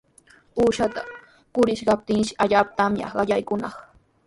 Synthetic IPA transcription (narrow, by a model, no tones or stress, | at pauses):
uːʃat̪a | kʊɾɪʃkɑp̚t̪ɪŋʃɪ̥ʔaʎaːpat̪amjɑ̰ɢɑʎajkʊnɑχ